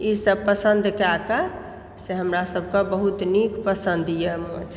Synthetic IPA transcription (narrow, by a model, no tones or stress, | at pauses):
isəb̚pəsənd̪kaka | seɦəmɾasəbʱkabəɦut̪nikpəsə̃nd̪ʱijemod͡ʒ